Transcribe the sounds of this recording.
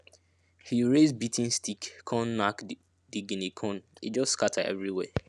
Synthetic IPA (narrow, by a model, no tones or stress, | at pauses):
hiɹezbitʰĩnstʰikːʰɔ̃nːak | d̥iɡĩnikʰɔ̃nit̚d͡ʒɔsskatʰa̰ɛ̰vɹiwɛ̰